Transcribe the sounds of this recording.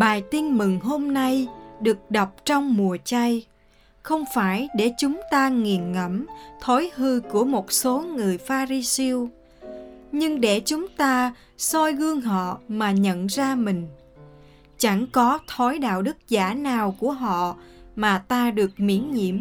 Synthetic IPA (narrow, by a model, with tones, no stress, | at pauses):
ɓaː˨˩jt̪i˧nmɨ˨˩ŋɦo˧mna˧jɗɨ˨˩ək̚ɗɔ˨˩wk͡p̚t͡ɕɔ˧wŋ͡mmu˨˩ət͡ɕa˧j | xə˧wŋ͡mfaː˧˩jɗe˧˩t͡ɕʊ˨˦ŋ͡mt̪aː˧ŋi˨˩ənŋə˧˩mt̪ʰo˨˦jhɨ˧ku˧˩əmo˨˩t̚so˨˦ŋɨ˨˩əjfaː˧ɾi˧si˧əw | ɲɨ˧ŋɗe˧˩t͡ɕʊ˨˦ŋ͡mt̪aː˧ | sɔ˧jɣɨ˧əŋɦɔ̰˧˨maː˨˩ɲə̰˧˨nzaː˧mï˨˩ŋ̟ | t͡ɕa˧˩ŋkɔ˨˦t̪ʰɔ˨˦jɗa̰ː˧˨wɗɨ˦˥k̚zaː˧˩naː˨˩wku˧˩əɦɔ̰˧˨maː˨˩t̪aː˧ɗɨ˨˩ək̚mḭ˧˩˥ənɲḭ˧˩əm